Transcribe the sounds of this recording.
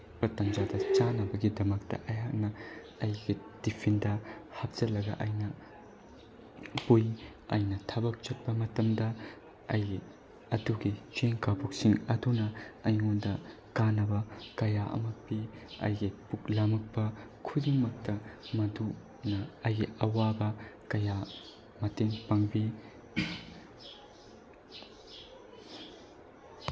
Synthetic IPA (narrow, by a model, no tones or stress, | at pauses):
pɾɐtɐmd͡ʒadɐt͡ʃanɐbɐɡidɐmɐk̚tɐ̰ʔɐjak̚nɐ | ɐjɡid̥ipʰindɐhɐp̚d͡ʒ̥ɐlɐɡɐ̰ʔɐjnɐ | pujɐ̰jnɐtʰɐbɐk̚t͡ʃɐt̚pɐmɐtɐmdɐ | ɐjɡi | ɐduɡit͡ʃeŋkabok̚siŋɐdunɐːjŋondɐ | kanɐbɐkɐjaʔɐ̰mɐk̚piɐ̰jɡipuklɐmɐk̚pɐkʰudiŋmɐk̚tɐmɐdu | nɐɐjɡiɐwabɐkɐja | mɐteŋpɐŋbi